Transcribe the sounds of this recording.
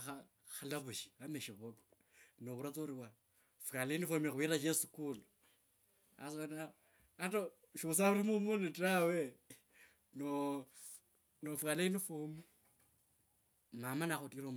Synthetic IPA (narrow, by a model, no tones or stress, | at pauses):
a | xalaβuʃi̥βameʃiβoko̥ | noβuɾat͡soɾiwa | fukaleinifomixuwiɾaʃ̬esukulu | a̰s̬ona | ato | ʃuus̬aβuɾimumunitawe | no | nofukaleinifumu | mamanaxutiɾom